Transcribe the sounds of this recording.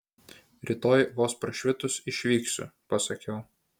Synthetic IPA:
ɾʲɪt̪oːjʋoːspɾɐʃʲʋʲɪt̪ʊsɪʃʲʋʲiːksʲʊ̰pɐsɐkʲɛʊ

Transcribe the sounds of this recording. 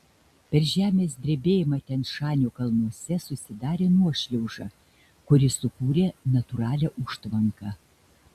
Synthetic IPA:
pʲɛɾʒʲæːmʲeːsd̪ʲɾʲeːbʲeːjɪmɑt̪ʲɛnʃɑːnʲoːkɐlˠnuɔsʲɛsʊsʲɪd̪ɑːɾʲeːnuɔʃʲlʲɛʊʒɑː | kʊɾʲɪsʊkuːɾʲeːnɐt̪ʊɾɑːlʲɛʔʊʃt̪ʋɐŋkɑ

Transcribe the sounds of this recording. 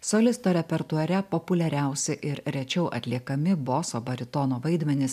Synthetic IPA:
solʲɪst̪oːɾʲɛpʲɛɾt̪uɐɾʲɛpopʊlʲɛɾʲæˑʊsʲɛʔɪɾɾʲɛt͡ʃʲɛʊʔɐ̰t̪ʲlʲiɛkɐmʲɪboːsoːbɐɾʲɪt̪ɔnoːʋɐɪd̪ʲmʲɛnʲɪs

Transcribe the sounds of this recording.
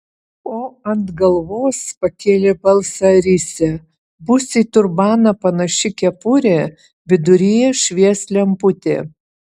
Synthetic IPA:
poːɐnt̪ɡɐlˠʋoːspɐkʲeːlʲebɐlˠsɐɾʲɪsʲɛ | bʊsʲɪt̪ʊɾbɑːnɐpɐnɐʃʲɪkʲɛpʊɾʲeː | ʋʲɪd̪ʊɾʲijɛʃʲʋʲiɛsʲlʲɛmpʊt̪ʲeː

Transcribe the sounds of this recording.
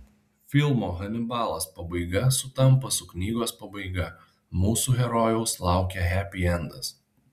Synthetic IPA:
fʲɪlˠmoːɣɐnʲɪbɑːlˠɐspɐbɐɪɡɐsʊt̪ɐmˑpɐsʊknʲiːɡoːspɐbɐɪɡɐ | muːsuːɣʲɛɾɔjɛʊslˠɑˑʊkʲɛɦʲæpʲɪɛnd̪ɐs

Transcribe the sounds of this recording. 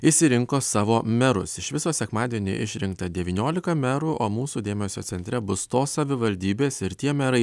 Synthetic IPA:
ɪʃsʲɪɾʲɪŋkoːsɑːʋoːmʲɛɾʊsɪʃʋʲɪsoːsʲɛkmɑːd̪ʲiɛnʲḭːʔɪʃʲɾʲɪŋk̚t̪ɐd̪ʲɛʋʲiːnʲoːlʲɪkɐmʲɛɾuːʔoːmuːsuːd̪ʲeːmʲɛsʲoːsʲɛnʲt̪ʲɾʲɛbʊst̪oːssɐʋʲɪʋɐlʲd̪ʲiːbʲeːsɪɾt̪ʲiɛmʲɛɾɐɪ

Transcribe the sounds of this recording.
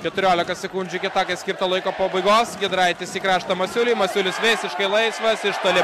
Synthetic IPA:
kʲɛt̪ʊɾʲoːlʲɪkɐsʲɛkʊnʲd͡ʒʲʊkʲɪt̪ɑːkɐɪsʲkʲɪɾt̪ɐlˠɐɪkoːpoːbɐɪɡoːsɡʲɪd̪ɾɑɪt̪ʲɪsʲiːkɾɑːʃt̪ɐmɐsʲʊlʲʊːmɐsʲʊlʲɪsʋʲɛɪsʲɪʃkɐɪlˠɐɪsʋɐsɪʃt̪oːlʲɪ

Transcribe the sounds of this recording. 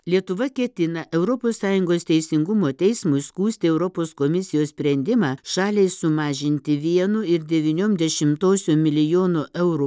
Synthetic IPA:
lʲiɛt̪ʊʋɐkʲɛt̪ʲɪnɐʔɛʊɾɔpoːsːɑːjʊŋɡoːst̪ʲɛɪsʲɪŋɡʊmoːt̪ʲɛɪsmʊɪskuːsʲt̪ʲɪɛʊɾɔpoːskomʲɪsʲɪjoːssʲpʲɾʲɛnʲd̪ʲɪmɑːʃɑːlʲɛɪsʊmɑːʒʲɪnʲt̪ʲɪʋʲiɛnʊɪɾd̪ʲɛʋʲiːnʲoːmd̪ʲɛʃʲɪmt̪oːsʲoːmʲɪlʲɪjoːnoʔɛʊɾu

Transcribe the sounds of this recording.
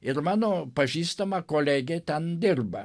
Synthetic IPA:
ɪrmɑːnoːpɐʒʲiːst̪ɐmɐkoːlʲæːɡʲeːt̪ʲɛnd̪ʲɪrbɐ

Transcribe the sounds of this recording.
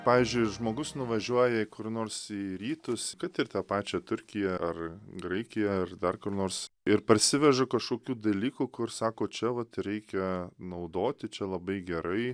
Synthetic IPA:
pɑːʋʲiːzʲd͡ʒʲʊɪʒmoːɡʊsnʊʋɐʒʲuɔjɛɪkʊrnoːrsiːɾʲiːt̪ʊskɐt̪ɪrt̪ɑːpɑːt͡ʃʲɛt̪ʊɾʲkʲɪjɛɐrɡɾɐɪkʲɪjɛɐrd̪ɐrkʊrnoːrsɪɾpɐrʲsʲɪʋʲɛʒɐkɐʃkoːkʲuːd̪ɐlʲiːkukʊrsɑːkoːt͡ʃʲɛʋɐt̪ɾʲɛɪkʲɛnɐʊd̪oːt̪ʲɪt͡ʃʲɛlˠɐbɐɪɡʲɛɾɐɪ

